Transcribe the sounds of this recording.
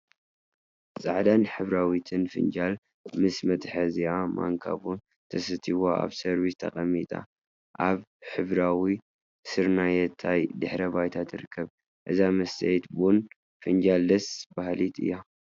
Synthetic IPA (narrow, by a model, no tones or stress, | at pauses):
sʼa̰ʕd̪anħɨβɾawit̪ʰɨnfɨ̰nd͡ʒal | mɨsmɐt̪ʼħɐziama̰ŋkʰa̰βun | t̪ʰɐsɨt̪ʰiwoʔa̰βsɐɾβist̪ʰɐ̰xʼɐmːit̪ʼa̰ | ʔaβħɨβɾawi | sɨɾnajɛt̪ʰajd̪ɨħɾɐbajt̪ʰat̪ʰɨɾɨkʰːɐβ | ʔɨzamɐst̪ʰɐjt̪bun | fɨnd͡ʒald̪ɐsbahlit̪ʰɨ̰jːa